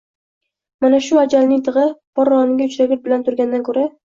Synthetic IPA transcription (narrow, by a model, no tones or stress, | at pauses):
manaʃʊad͡ʒalnɪŋt̪ʰɨʁɨb̥ɒɾːɒnɪɡʲaʊt͡ʃʰɾaɡʲɪɾ̚bɪlant̪ʰʊɾɡʲand̪ankʰɵɾa